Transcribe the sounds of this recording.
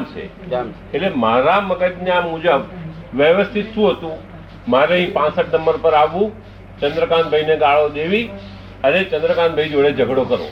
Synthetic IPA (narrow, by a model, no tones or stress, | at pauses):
mt͡ʃʰḛ | eʈlemaɾaməkət̪njamũd͡ʒəbʋjəʋəst̪ʰit̪ʰːũɦət̪ũ | maɾeɦĩpãsəʈnəmbəɾpəɾaʋũ | t͡ʃənd̪ɾəkãnbʱəineɡaɭod̪eʋi | ənet͡ʃə̃nd̪ɾəkãnbʱəid͡ʒoɭed͡ʒəɡɽokəɾõ̰